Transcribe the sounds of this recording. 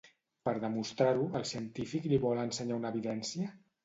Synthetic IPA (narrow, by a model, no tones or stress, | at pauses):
pəɾðəmust̪ɾaɾuəlˠsiənt̪ifikliβɔlənsəɲaunəβiðɛnsiə